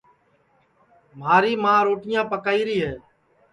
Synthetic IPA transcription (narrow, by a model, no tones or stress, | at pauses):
m̤aːɾiːmãːɾoːʈɪjãːpəkaːiːɾiːɦɛː